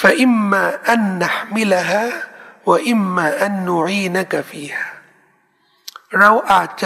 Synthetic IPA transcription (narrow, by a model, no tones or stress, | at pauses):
faʔɪmːaːʔanːaħmɪlaɦaːwaʔɪmːaːʔanːʊʕiːnakafiːhaː | ɾawʔaːt͡ʃːa